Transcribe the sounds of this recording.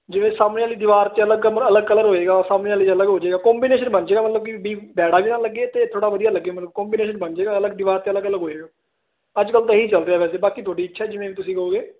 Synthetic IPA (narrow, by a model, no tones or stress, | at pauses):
d͡ʒɪʋẽːsaːmnẽaːliːd̪ɪʋaːɾt̪eələɡəməələɡkələɾɦoːeːɡaːsaːmneːaːliːt͡ʃələɡɦoːd͡ʒeːɡaːkɔ̃ːmbiːneːʃənbənd͡ʒeːɡaːmət̪ləbkibiːbɛːɽaːbiːnãːləɡːeːt̪eːt̪ʰoːɽaːʋəd̪ijaːləɡːeːmət̪ləbkɔ̃ːmbiːneːʃənbənd͡ʒeːɡaːələɡ̚d̪ɪʋaːɾt̪eːələɡələɡɦoːeːɡaː | əd͡ʒkəlt̪eːɦiːt͡ʃəlɾeaːʋɛːseːbaːkiːt̪ʰoːɖiːɪt͡ʃːʃʰɛːd͡ʒɪʋẽːʋiːt̪ʊsĩːkəoːɡeː